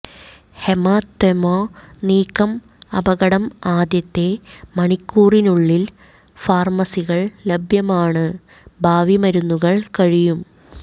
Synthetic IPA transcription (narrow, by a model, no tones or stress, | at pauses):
hemaːt̪ːemoːniːkːɐm | ɐbʱɐɣɐɽɐmaːd̪jɐt̪ːe̞mɐɳikːuːrinuɭːil | faːrmɐsiɣɐɭlɐbʱjɐmaːɳɨ | bʱaːʋimɐɾunːuɣɐɭkɐɻijum